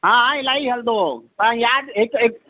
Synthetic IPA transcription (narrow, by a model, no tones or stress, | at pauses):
ɦãːɦãɪlaːiɦɐld̪ot̪aãjaːɦɪkɦɪk